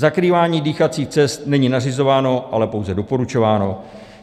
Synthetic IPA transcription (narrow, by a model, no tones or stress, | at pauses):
zakɾiːvaːɲiːdiːxat͡siːxt͡sɛst̪nɛɲinarɪzo̞vaːno̞ʔalɛpo̞wzɛdo̞po̞ɾut͡ʃo̞vaːno̞